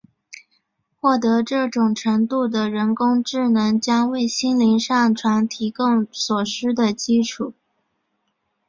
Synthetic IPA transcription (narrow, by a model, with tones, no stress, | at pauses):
xwɔ˥˩t̪ɤ˧˥ʈ͡ʂɤ˥˩ʈ͡ʂʊ˨˩ŋʈ͡ʂʰɤ˧˥ŋt̪u˥˩d̪ə˩ɻə˧˥nkʊ˥ŋʈ͡ʂɻ̩˥˩nɤ˧˥ŋt͡ɕjɑ˥ŋwe˥˩ɪɕi˥nli˧˥nʂɑ˥˩ŋʈ͡ʂʰwa˧˥nt̪ʰi˧˥kʊ˥ŋswɔ˨˩ʂɻ̩˥d̪ə˨t͡ɕi˥ʈ͡ʂʰu˨˩˦